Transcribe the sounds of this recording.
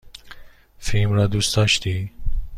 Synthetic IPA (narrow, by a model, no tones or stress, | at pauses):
fimɾad̪ust̪ɑʃt̪i